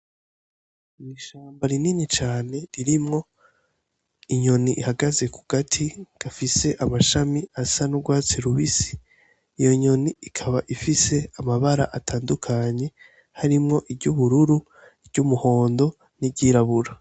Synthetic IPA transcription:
miːʃaːmbaɾininit͡ʃaːne̞ɾiɾimŋo̞ | iɲo̞niʔihaɡaze̞ku̥ɡ̥atʰiɡ̥afise̞ʔamaʃamiasanuɡwaːt͡siɾuβisi̥ː | jo̞ɲo̞niikʰaβaʔifise̞amaβaɾa̰ʔatʰaːndukʰaɲe̞ | haɾimŋo̞ʔibɟuβuɾuɾu | ibɟumuho̞ːndo̞ | nibɟiːɾaβuɾa

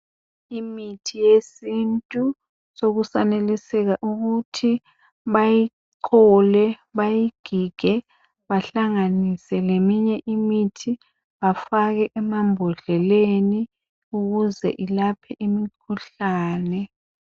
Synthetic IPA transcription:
imitʰijesintʼu | soɣusanelisɛɣaʔuɣutʰi | βaji | ǃɔlɛ | βajiɡ̥ʱiɡ̥ʱɛ | βaɬaŋanisɛlemiɲɛʔimitʰi | βafaɣɛʔɛmambʱɔɮɛleni | uɣuzɛ̰ʔilapʰɛʔimikʰuɬaːnɛ

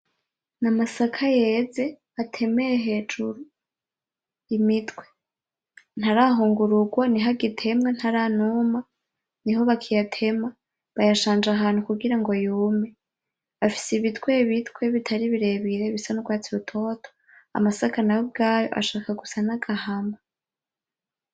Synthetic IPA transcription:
namasakʰaje̞ze̞ | atʰe̞mejeɦe̞ːd͡ʒuɾu | imitʰwe̞̥ | n̥haɾaɦuːŋɡuɾuɡwaniɦaɡitʰe̞mŋen̥haɾaːnuma | niɦo̞βakʰijatʰe̞ma | βajaʃaːnd͡ʒaɦaːnhukuɡiɾaŋɡo̞juːme̞ | afi̥siβitwe̞βitwe̞βitʰaɾiβiɾe̞βiɾe̞βisanuɡwaːt͡siutʰo̞ːtʰo̥ | a̰masakanawobɡaːjo̞̰ʔa̰ʃaːkaɡusanaɡahama

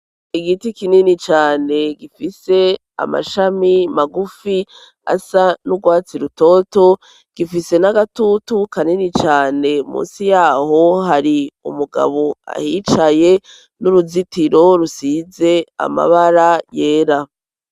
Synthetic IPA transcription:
iɡitikininit͡ʃaːne̞ɡifise̞ | a̰ma̰ʃamimaɡufi | a̰sanuɡwaːt͡siɾuto̞ːto | ɡ̥ifise̞naɡatutukaninit͡ʃaːne̞mṵːnsijaːho̞ɦaɾiṵmuɡa̰βo̞a̰hit͡ʃaje̞ | nuɾuzitiɾo̞ɾusize̞a̰ma̰βaɾaje̞ːɾa

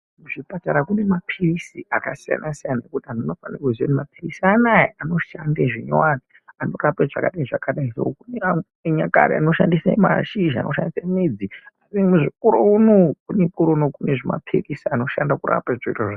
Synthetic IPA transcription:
muʐipataɾakune̞mapʰirisiakasija̰nʔasijanaekutiɦanono̞fanikuzonimapirisianajeano̞ʃandeʐiɲowani | ano̞rapeʐa̰kaɗaiʐakaɗaisokunea | eɲaka̰ɾiano̞ʃandisama̰ʃiʒa̰nʔo̞ʃandisamid͡ziarimuʐikuɾonokunekuɾonokuneʐima̰pʰirisiano̞ʃandakura̰peʐoitoʐa

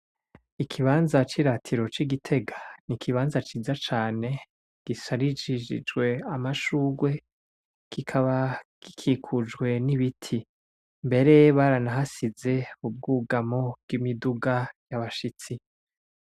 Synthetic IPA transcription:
ikʰiβaːnzat͡ʃiɾatʰiɾo̞t͡ʃiɡitʰe̞ɡanikʰiβaːnzat͡ʃiːzat͡ʃaːne̞ | ɡ̥isaɾid͡ʒid͡ʒḭd͡ʒɡwe̞amaʃuːɡwe̞ | kʰikʰaβakikʰiːkʰud͡ʒɡwe̞niβitʰi | mbe̞ɾe̞βaɾanaɦasize̞ub̚ɡuːɡamob̚ɡ̥imiduɡajaβaʃit͡si

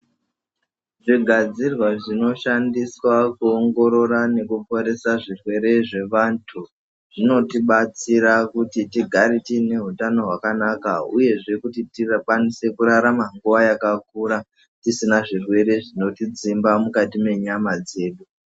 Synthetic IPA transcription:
ʐiɡʱad͡zirwaʐino̞ʃandiswakuoŋɡo̞ɾo̞ɾane̞kupo̞ɾe̞saʐirwe̞ɾe̞ʐe̞ʋantʰu | ʐ̥ino̞tiɓat͡siɾakutitiɡʱaɾitine̞ɦutano̞ɦwakanakauje̞ʐe̞kutitirkanise̞kuɾaɾamaŋɡuʋajakakuːɾa | tisinaʐirwe̞ɾe̞ʐino̞tid͡zimbamukatime̞ɲamad͡ze̞ːɗu

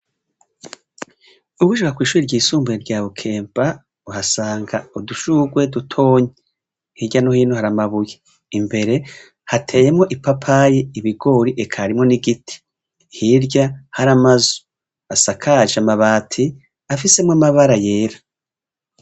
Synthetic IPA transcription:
uɡuʃukakwiːʃuɾiɾɟiːsuːmbueɾɟaːβukʰe̞ːmpa | uhasaːŋɡauduʃuɡwe̞dutʰo̞ːɲe | hiɟanohiːnohaɾamaβuje | imbe̞ɾe̞ | hatʰe̞ːjemŋo̞ʔipapʰajeiβiɡo̞ːɾiʔekʰaɾimŋo̞niɡitʰi̥ | hiɾɟahaɾamazu̥ | asakʰaʒamaβaːtʰi | afise̞mŋamaβaɾaje̞ːɾḁ

